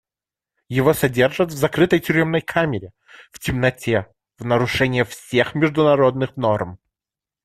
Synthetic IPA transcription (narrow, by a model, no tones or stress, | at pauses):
jɪvosɐdʲerʐət̪vzɐkɾɨt̪əjtʲʏɾʲemnəjkʰamʲɪɾʲɪ | vtʲɪmnɐtʲe | vnəɾʊʂɛnʲɪjəfsʲe̞xmʲɪʐd̪ʊnɐɾod̪nɨxnorm